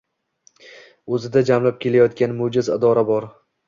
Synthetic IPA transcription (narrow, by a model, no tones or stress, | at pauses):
ɵzɪd̪ad͡ʒamlap̚kʲʰe̞lajɒt̪kʲanmʊd͡ʒɪzɪd̪ɒɾabɒɾ